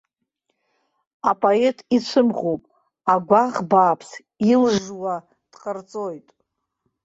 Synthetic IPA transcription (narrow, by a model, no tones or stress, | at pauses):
apʼoe̞tʼit͡sʷʰɨmʁowpʼ | aɡʷaʁbaːpʰs | ilʐwa | d̥qərt͡sʼojtʼ